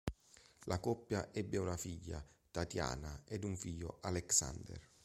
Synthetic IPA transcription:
lʔakɔpːjaʔɛbːeunafiʎːa̰t̪at̪ja̰ːnaɛd̪uɱfiʎːo̰ʔalɛksa̰nd̪ɛ̰r

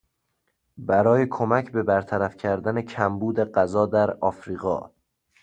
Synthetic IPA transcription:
bæɾɒːjekʰomæcʰbe̞bæɾt̪ʰæɾæfcʰæɾd̪æne̞cʰæmbuːd̪e̞ɢæzɒːd̪æɾɒːfɾiːɣɒ̰ː

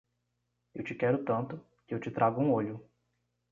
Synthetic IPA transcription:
ewt͡ʃɪkɛɾʊt̪ɐ̃nt̪ʊ | kɪewt͡ʃɪt̪ɾʔaɡʊũoʎʊ

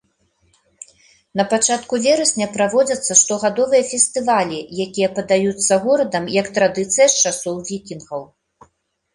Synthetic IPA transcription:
nɐpat͡ʂat̪kuvʲɛɾɐsʲnʲɐpɾavɔd͡zʲɐt̪sːɐʂt̪ɔɣad̪ɔvɨjɐfʲɛsʲt̪ɨvalʲijakʲijɐpɐd̪ajut̪sːɐɣɔɾɐd̪ɐmjɐkt̪ɾad̪ɨt̪sɨjɐst͡ʂasɔwvʲikʲinɣɐw

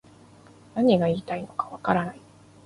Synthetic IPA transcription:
naɲ̟iɡaiːt̪aino̞kḁβakaɾanai

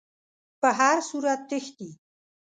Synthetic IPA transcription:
pəɦaɾsuɾat̪̚ːəxt̪i

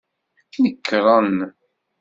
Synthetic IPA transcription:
knəkːɾˤɑn

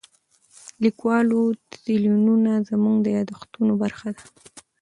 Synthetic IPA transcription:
likwɑlot̪zilununazəmuŋɡd̪əjɑd̪axt̪unobaɾxad̪a

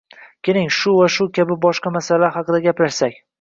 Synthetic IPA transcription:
kʲʰenɪŋʃʊvaʃʊkʲʰabɪbɒʃqɑmasalaɾhɑqɨd̪aɡʲapɾaʃsakʲ

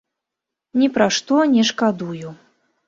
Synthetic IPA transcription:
nʲɛpɾaʂt̪ɔnʲɛʂkad̪uju

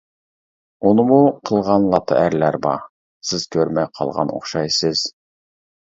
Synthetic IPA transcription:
onəmuqʰəlˠʁɑnlˠɑt̪ʰə̰æɾlæɾbɑ̰ | sɪz̥kʲʰøɾmɛjqʰɑ̰lˠʁɑ̰no̰χʃɑjsɨz̥

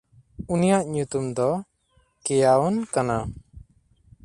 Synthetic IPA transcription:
unijaʔɲut̪umd̪ɔ | kɛjaɔnkana

